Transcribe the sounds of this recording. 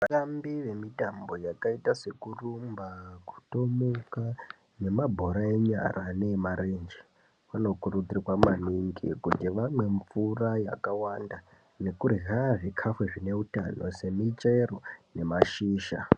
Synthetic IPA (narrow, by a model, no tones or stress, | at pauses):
ʋatambiʋe̞mitambo̞jakaitase̞kurumbaku̥to̞muka | ne̞mabʱo̞ɾaeɲa̰ɾane̞maɾend͡ʒi | wano̞kurud͡zirirwamaniŋɡḭkutiʋamwe̞ɱfuraja̰kawanda | ne̞kuriɦaaʐikʰafweʐine̞uta̰nose̞mit͡ʃe̞rone̞maʃiːʃa̰